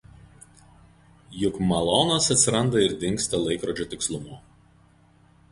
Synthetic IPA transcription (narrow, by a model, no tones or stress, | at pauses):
jʊkmɐlˠɔnɐsɐt̪ʲsʲɪɾɐnd̪ɐɪɾd̪ʲɪŋʲksʲt̪ʲɐlˠɐɪkɾoːd͡ʒʲot̪ʲɪkslˠʊmuː